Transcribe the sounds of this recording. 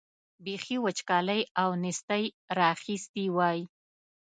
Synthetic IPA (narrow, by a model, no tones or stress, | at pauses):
bexiwət͡ʃkɑləjawnɪst̪əj | ɾɑxist̪iwɑji